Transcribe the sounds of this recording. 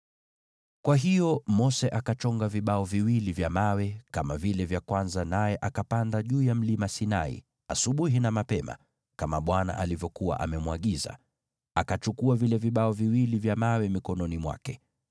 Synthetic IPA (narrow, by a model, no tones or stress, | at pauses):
kwaɦijɔmɔsɛʔakat͡ʃɔŋɡaviɓaɔviwilivjamawɛkamavilɛvjakwanzanajɛʔakapandaʄuːjam̩limasina̰ḭ | a̰suɓuɦinamapɛma̰ | kamaɓwana̰ʔalivjɔkua̰ʔa̰mɛmwaɠiza̰ | akat͡ʃukuavilɛviɓaɔviwilivjamawɛmikɔnɔnimwa̰kɛ